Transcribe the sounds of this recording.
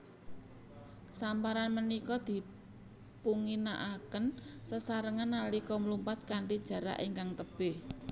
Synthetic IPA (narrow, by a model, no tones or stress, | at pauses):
sampaɾanmənikɔd̪̥i̤ | puŋina̰ʔakənsəsaɾəŋanːalikɔmlumpat̪̚kaɳʈid̥ʒ̥ä̤ɾa̰ʔiŋkaŋt̪əb̥eh